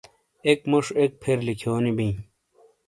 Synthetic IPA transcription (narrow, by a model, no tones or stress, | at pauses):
ekmuʂek̚pʰeɾlikʰjoːnibĩː